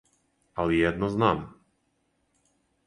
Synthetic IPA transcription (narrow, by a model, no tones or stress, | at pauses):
alɛjɛd̪nɔznaːm